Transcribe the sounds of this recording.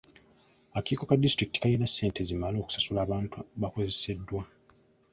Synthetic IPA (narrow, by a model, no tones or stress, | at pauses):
akiːko̞kadːistɾiki̥ti̥kalinasːe̞ːntʰe̞zimalo̞ːku̥sasulaːβaːntuβako̞ze̞se̞dːwa